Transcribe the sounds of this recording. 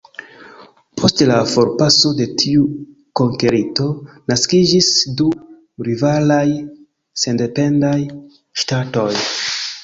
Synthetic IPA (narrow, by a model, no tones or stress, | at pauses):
pʰo̞stlafo̞ɾpaso̞de̞tʰiu | ko̞ŋke̞ɾito̞naskid͡ʒisdu | ɾivalaj | se̞nde̞pe̞ndaj | ʃtato̞j